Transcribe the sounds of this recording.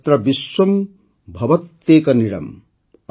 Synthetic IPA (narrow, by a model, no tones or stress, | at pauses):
t̪ɾɐbiswɐm | bʱɐʋɐt̪ːeːkɐniɽɐ̰m | ɐ